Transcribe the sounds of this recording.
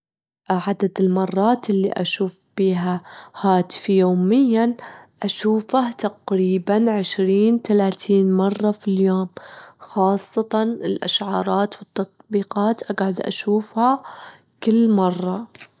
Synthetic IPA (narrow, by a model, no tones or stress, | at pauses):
ʕad̪ad̪ɪlmɑrˤːɑːt̪ɪlːiʔa̰ʃuːfb̥iːɦahaːt̪ɪ̥fijoːmɪjːanʔaʃuːfaht̪aqɾiːbanʕɪʃɾiːnt̪alaːt̪ʰiːnmɑrˤːɑfiljoːmxɑːsˤːɑt̪ɑnɪlʔa̰ʃʕɑːɾˤɑːt̪wɪt̪ːɑt̪̚ˤbiːqɑːt̪ʔaɡʕʊd̪ʔa̰ʃuːfha | kɪlːmɑrˤːɑ